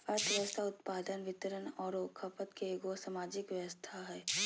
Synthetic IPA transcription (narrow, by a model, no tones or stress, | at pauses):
ɐɾt̪ʰʋjəʋəst̪ʰaʊt̪paːd̪ənʋɪt̪ɾənɔːɾoːkʰːəpət̪keɡosamaːd͡ʒɪkʋjəʋəst̪ʰaɦɛː